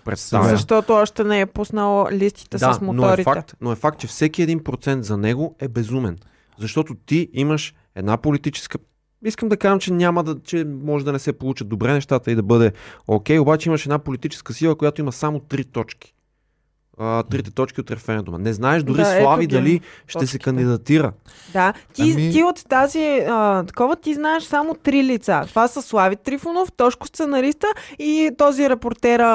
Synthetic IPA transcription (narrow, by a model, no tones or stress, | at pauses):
pɾɛ̰t̪st̪avzɐʃt̪ɔt̪oɔʃt̪ɛnɛɛpusnəlˠlist̪i̥t̪ɛsd̪amonoɛɾifak̚t̪noɛfak̚t̪̚t͡ʃɛfsɛk̟iɛd̪inpɾot̪sɛnt̪zɐnɛɡoɛbɛzumɛn | zɐʃt̪ɔt̪ot̪iiməʃ | ɛd̪napolit̪it͡ʃɛ̥skə | iskəmd̪ɐkaʒəmt͡ʃɛnʲaməd̪ɐt͡ʃɛmɔʒɛd̪ɐnɛsɛpolˠut͡ʃəd̪obɾɛnɛʃt̪at̪əid̪ɐbɤd̪ɛokʲɛjobat͡ʃɛimɐʃɛd̪napolit̪it͡ʃɛ̥skəsilˠəkojat̪oimɐsamot̪ɾit̪ɔt͡ʃki̥ | t̪ɾit̪ɛ̥t̪ɔt͡ʃkʲiot̪ɾɛfɛɾɛnd̪umɐ̰nɛznaɛʃd̪ʊɾislˠavid̪ɐliʃɛsɛkɐnd̪id̪ɐt̪iɾəd̪at̪iiot̪ːaziət̪ɐ̥kɔvət̪iznaɛʃsamot̪ɾilit̪sat̪ovasəslˠavit̪ɾifonoft̪ɔʃkʊ̥st̪sɛnɐɾist̪əit̪ɔziɾɛpoɾt̪ɛɾ